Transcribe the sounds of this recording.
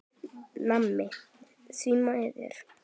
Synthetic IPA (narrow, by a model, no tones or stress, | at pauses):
namːɪ | siːmaɛðɪ̰ɾ̥